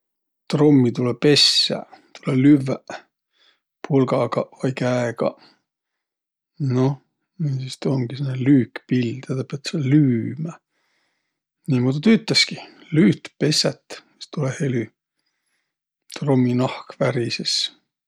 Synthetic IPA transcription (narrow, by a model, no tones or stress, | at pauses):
t̪romːit̪ulepe̞sːæ̰t̪ʰulelyvæ | pʰulɡɑɡ̥ɑvɑjkæeɡ̥ɑ̰ | no | niːsist̪oŋɡ̥isenːelyːkpild̪̥et̪ɑpiɑt̪selyːmæ | niːmud̪et̪yt̪ːˑɑskilyːt̪pe̞set̪ːmi̥st̪ulehely | t̪romːinɑhkvæɾises